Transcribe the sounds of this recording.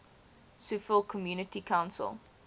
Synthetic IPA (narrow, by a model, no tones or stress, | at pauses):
sufəlˠkʰɔmjuːnətikʰãwnsə̰lˠ